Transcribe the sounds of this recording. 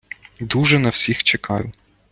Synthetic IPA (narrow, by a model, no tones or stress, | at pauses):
d̪uʒɛnɐwsʲixt͡ʃekʰɑjʊ